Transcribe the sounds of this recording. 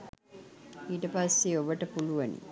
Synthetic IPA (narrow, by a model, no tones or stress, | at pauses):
iːʈəpasːeoʋəʈəpuluʋɐnḭ